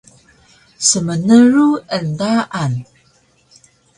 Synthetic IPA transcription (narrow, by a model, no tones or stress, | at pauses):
səmənəruəndaʔan